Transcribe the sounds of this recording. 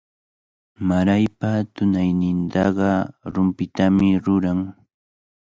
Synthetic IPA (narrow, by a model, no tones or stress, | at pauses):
maɾajpat̪ʊnajnɪnt̪ɑɢɑɾʊmpɪt̪amɪɾʊɾaŋ